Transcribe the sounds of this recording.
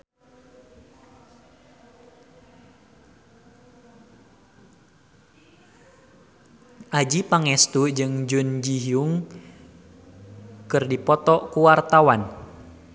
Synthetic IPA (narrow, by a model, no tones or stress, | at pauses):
ʔad͡ʒipaŋɛst̪ud͡ʒɨŋd͡ʒund͡ʒiɦiuŋ | kɨrdipɔt̪ɔʔkuwart̪awan